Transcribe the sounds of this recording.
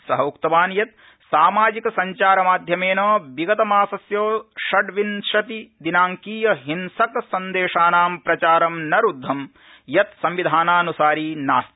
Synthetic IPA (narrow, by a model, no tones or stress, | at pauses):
sɐɦɐukt̪ɐʋaːnjɐt̪̚ | saːmaːd͡ʒikɐsɐɲt͡ʃaːɾɐmaːd̪ʱjɐmeːnɐːʋiɡɐt̪ɐmaːsɐsjoːʃɐɖʋinʂɐt̪id̪inaːŋkiːjɐɦinsɐksɐnd̪eːʂaːnaːmpɾɐt͡ʃaːɾɐmnɐɾud̪ʱːɐm | jɐt̪sɐmʋid̪ʱaːnaːnusaːɾiːnaːst̪i̥